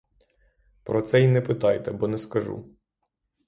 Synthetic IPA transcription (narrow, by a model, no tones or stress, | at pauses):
pɾɔt̪sɛinɛpɪt̪ɑjt̪ɛbɔnɛskɐʒṵ